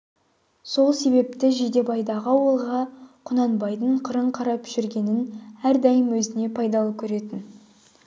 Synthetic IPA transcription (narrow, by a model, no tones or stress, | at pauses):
so̞lˠse̞be̞p̚t̪ɪʒed̪e̞bɑjd̪ɑʁəwəlˠʁɑqʰʊnɑnbɑjd̪əɴqʰəɾəɴqʰɑɾɑpʒ̥ʏɾɡʲe̞nɪnæɾd̪ɑjəmwɵzɪne̞pʰɑjd̪ɑlˠəkʲʰɵɾe̞t̪ɪn